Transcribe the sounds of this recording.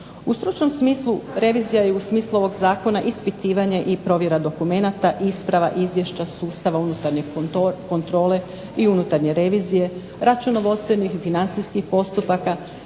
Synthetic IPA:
ust̪ɾut͡ʃno̞msmiːslˠuɾe̞ʋizijajeusmiːslˠuo̞ʋo̞ɡzaːko̞naʔispit̪iːʋaɲe̞ʔipɾo̞ʋje̞ɾad̪o̞kume̞nat̪aʔispɾaʋaʔizʋje̞ʃt͡ɕasuːst̪aʋaunut̪aɾɲe̞ko̞nt̪ɾo̞ːle̞ | iunut̪aɾɲe̞ɾe̞ʋizije̞ | ɾat͡ʃuno̞ʋost̪enixfinant̪siskixpo̞st̪upaka

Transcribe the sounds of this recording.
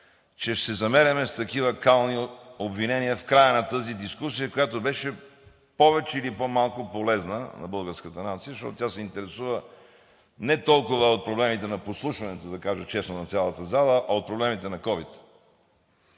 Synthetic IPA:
t͡ʃɛʃsɛzɐmɛɾɐmɛst̪ɐkivəkalˠniobvinɛniəfkɾajənɐt̪ɤzid̪iskusijəkojat̪obɛʃɛ | pɔvɛt͡ʃɛilipomalˠkopolɛznə̰nɐ̰bɤlˠɡəɾskət̪ənat̪sijəzʃt̪ɔ̰t̪ot̪ʲjasɛint̪ɛɾɛsuvə | nɛt̪ɔlˠkʊvəot̪̚pɾoblɛmit̪ɛnɐposlˠuʃvɐnɛt̪od̪ɐkaʒət͡ʃɛsnonɐt̪sʲjalˠət̪əzalˠəʔɐot̪̚pɾoblɛmit̪ɛnɐkɔvit̪

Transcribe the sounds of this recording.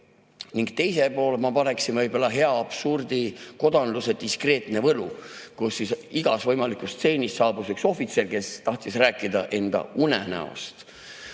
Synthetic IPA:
niŋɡ̥t̪e̞jse̞po̞ːlemɑpɑneksinvɤjbolːɑɦe̞ɑːb̥surd̪̥iko̞d̪̥ɑnluse̞d̪̥iskre̞ːt̪ne̞vɤlukusːisiɡ̥ɑsvɤjmɑlikust̪se̞ːnʲisːɑːbusekso̞fit̪se̞lke̞st̪ɑht̪isræːkːˑid̪ɑ̰ʔe̞nd̪ɑ̰unḛnæ̰o̰st̪

